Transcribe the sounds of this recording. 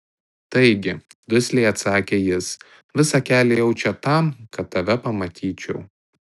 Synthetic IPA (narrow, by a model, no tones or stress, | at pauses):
t̪ɐɪɡʲɪ | d̪ʊsʲlʲɛɪɐt̪sɑːkʲeːjɪs | ʋʲɪsɐkʲæːlʲejɛʊt͡ʃʲɛt̪ɐˑmkɐt̪̚ːɐʋʲɛpɐmɐt̪ʲʰiːt͡ʃʲɛʊ